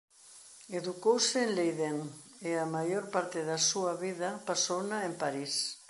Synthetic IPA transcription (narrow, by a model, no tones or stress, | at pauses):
eðukowsɪːnlejðeŋ | eamajoɾpaɾt̪ɪðasuaβiðɐpasownaempaɾis